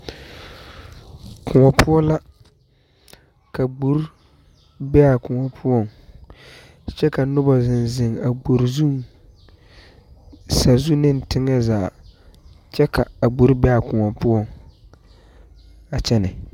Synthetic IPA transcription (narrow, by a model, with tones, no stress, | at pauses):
kʰʊ˨ŋɔ˨pʰʊ˦ɔ˦la˦ | ka˨ɡ͡bu˨ɾ | bɛ˦a˨kʊ˨ŋɔ˨pʰʊ˦ɔ˦˨ŋ | t͡ʃɛ˦ka˨nʊ˦ba˨zɪ˨nzɪ˨ŋa˨ɡ͡bu˨ɾzu˦ŋ | sa˨zu˦nɪ˦ntɪ˦ŋa˦zaː˨ | t͡ʃɛ˦kʰa˨a˨ɡ͡bu˨˦ɾbɛ˦a˨kʊ˨ŋɔ˨pʊ˦ɔ˦˨ŋ | a˨t͡ʃɛ˦nɪ˨